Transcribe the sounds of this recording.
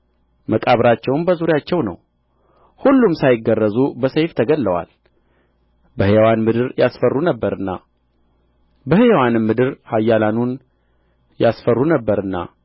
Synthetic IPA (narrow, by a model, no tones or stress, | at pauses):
məkʼaβɾat͡ʃːɛwnbəzuɾjat͡ʃːɛwnə̰w | hulːumsajɪɡːərːəzubəsəjft̪ʰəɡəlːəwa̰l | bəhɨjwanmɨd̪ɨɾjasfərːunəbːəɾɨnːa̰ | bəhɨjwanɨmːɨd̪ɨɾhajːalanun | jasfərːunəbːəɾɨnːa̰